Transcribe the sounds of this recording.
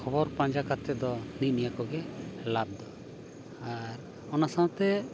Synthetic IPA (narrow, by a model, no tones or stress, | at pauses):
kʰɔbɔɾpãɲd͡ʒakat̪ːɛd̪ɔninijakɔɡɛlab̚d̪ɔ | aɾ | ɔnasawt̪ɛ